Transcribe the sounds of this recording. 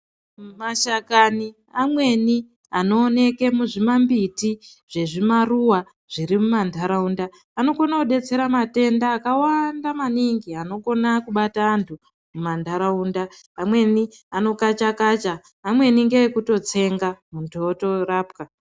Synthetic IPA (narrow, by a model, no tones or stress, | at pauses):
maʃakani | amwe̞ni | ano̞ːne̞ke̞muʐimambiti | ʐ̥e̞ʐimaruwa | ʐ̥iɾimumandʱaɾaundaː | no̞ko̞nakuɗe̞t͡se̞ɾamate̞ndaːkawandamaniŋɡiano̞ko̞nakuɓataːntʰu | mumandʱaɾaunda | amwe̞niano̞kat͡ʃakat͡ʃaː | mwe̞niŋɡeekuto̞t͡se̞ŋɡamuntʰuoto̞raːp̚ka